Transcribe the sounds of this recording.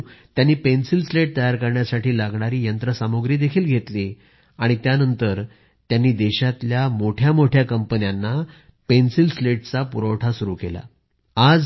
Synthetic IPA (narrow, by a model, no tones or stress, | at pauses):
t̪janːiːpensilsleʈ̚t̪əjaɾkəɾɳjasaʈiːlaɡɳaɾiːjənt̪ɾəsamoɡɾiːd̪ekʰiːlɡʱet̪liː | aɽ̃it̪janənt̪əɾ | t̪janːiːd̪eɕat̪ljamoʈʰjamoʈʰjakəmpənjanːa | pensilsleʈ̚t͡sapuɾəwʈʰasuɾuːkela̰ | ad͡z